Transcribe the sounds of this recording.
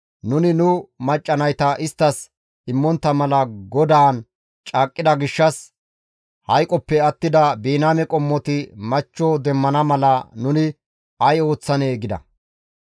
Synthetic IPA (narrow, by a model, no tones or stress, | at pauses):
nʊnɪnʊmɐt͡ʃʼːɐnɐjt̪ɐʔɪst̪ːɐs | ɪmːɔnt̪ːɐmɐlɐɡɔd̪aːn | t͡ʃʼaːkʼːɪd̪ɐɡɪʃːɐs | hɐjkʼɔpːɛɐt̪ːɪd̪ɐbiːnaːmɛkʼɔmːɔt̪ɪmɐt͡ʃːod̪ɛmːɐnɐmɐlɐnʊnɪ | ɐjo̞ːt͡sːɐneːɡɪd̪ɐ̰